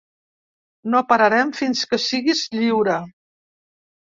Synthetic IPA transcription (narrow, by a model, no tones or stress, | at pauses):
nopaɾaɾɛmfinskəsiɣizʎiwɾə